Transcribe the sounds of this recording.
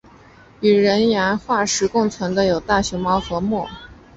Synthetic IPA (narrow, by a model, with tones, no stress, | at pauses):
y˨˩ɻə˧˥nja˧˥nxwa˥˩ʂɻ̩˧˥kʊ˥˩ŋt͡sʰwə˧˥nd̪ə˧jo˨˩ʊt̪a˥˩ɕjɔ˧˥ʊmɑ˧˥ʊxɤ˧˥mwɔ˥˩